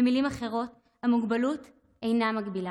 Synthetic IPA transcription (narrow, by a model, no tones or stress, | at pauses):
emilimaχe̞ʁo̞t | hamuɡbalut | e̞jnamaɡbila